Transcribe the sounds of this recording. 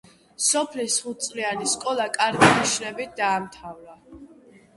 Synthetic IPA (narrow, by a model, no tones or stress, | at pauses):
sɔpʰlisχut̪̚tsʼlianiskʼɔlˠakʼaɾɡiniʃnɛbit̪̚d̪aːmt̪ʰavɾa